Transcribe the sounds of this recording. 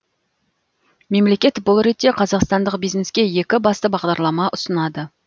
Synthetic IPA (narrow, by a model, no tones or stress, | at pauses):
me̞mle̞kʲe̞t̪bolˠɾet̪ːe̞qʰɑzɑqst̪ɑnd̪əq̚bijzne̞skʲe̞je̞kʲɪbɑst̪əbɑʁd̪ɑɾlˠɑmɑʔʊsənɑd̪ə